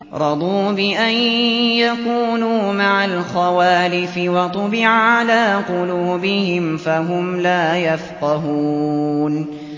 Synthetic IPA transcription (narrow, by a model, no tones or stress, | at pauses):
ɾˤɑd̪ˤuːbɪʔanjakuːnuːmaʕalxawaːlɪfɪwɑt̪ˤʊbɪʕʕalaːqʊluːbɪhɪmfaɦʊmlaːjafqɑɦuːn